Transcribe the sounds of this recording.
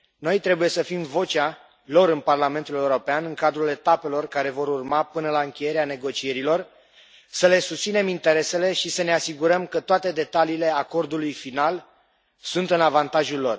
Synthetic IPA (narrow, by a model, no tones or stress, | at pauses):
no̞jt̪ɾe̞buje̞səfimvo̞t͡ʃa | lo̞ɾɨnparlame̞nt̪ule̞uɾo̞peanɨŋkad̪ɾule̞t̪ape̞lo̞rkaɾe̞vo̞ɾurmapɨnəlaɨŋkʲe̞je̞ɾeane̞ɡo̞t͡ʃie̞ɾilo̞r | səle̞sust̪sine̞mint̪e̞ɾe̞se̞le̞ʃisəne̞asiɡuɾəmkət̪oat̪e̞d̪e̞t̪aliːle̞ako̞rd̪ulujfinal | sunt̪ɨnavant̪aʒulːo̞r